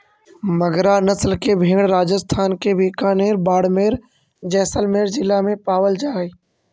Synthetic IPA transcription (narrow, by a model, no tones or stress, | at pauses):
məɡɾanəslkebʱẽːɽɾaːd͡ʒəst̪ʰaːnkebʱiːkaːneːɾbaːɽmeːɾ | d͡ʒɛːsəlmeːɾd͡ʒɪlːamẽpaːʋəld͡ʒaːe